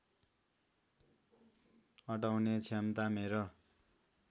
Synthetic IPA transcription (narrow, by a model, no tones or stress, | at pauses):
ʌʈawnet͡sʰamt̪ameɾo